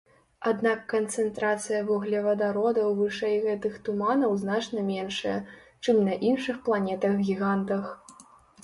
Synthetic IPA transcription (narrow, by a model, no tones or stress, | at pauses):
ad̪nakːɐnt̪sɛnt̪ɾat̪sɨjɐvɔɣlʲɛvɐd̪aɾɔd̪ɐwvɨʂɛjɣɛt̪ɨxt̪umanɐwznat͡ʂnɐmʲɛnʂɐjɐ | t͡ʂɨmnɐʔinʂɨxplˠanʲɛt̪ɐɣɡʲiɣant̪ɐx